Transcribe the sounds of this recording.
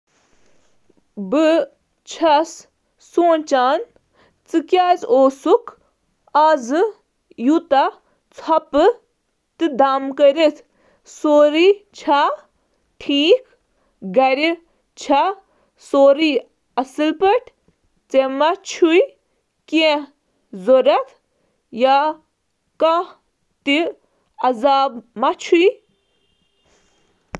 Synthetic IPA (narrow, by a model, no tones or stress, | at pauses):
bɨ | t͡ʃʰɐsː | oːnt͡ʃaːn | t͡sɨkjaːzoːsuk | azɨ | jut̪a | t͡sʰɐpɨ | t̪ɨd̪aːmkəɾʲit̪ʰ | soːɾit͡ʃʰa | ʈʰiːk | ɡɐɾi | t͡ʃʰa | soːɾi | ɐsɨlpɐʈʰ | t͡semat͡ʃʰuj | kẽ | zoɾɐt̪ʰ | ja | kã | t̪i | ɐzaːbmat͡ʃʰuj